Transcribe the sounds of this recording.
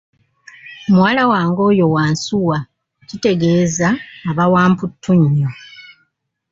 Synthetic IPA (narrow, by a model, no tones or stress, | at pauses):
mwalawaːŋɡo̞ːjo̞waːnsuwa | cite̞ɡe̞ːzaːβawaːmputʰːuɲːo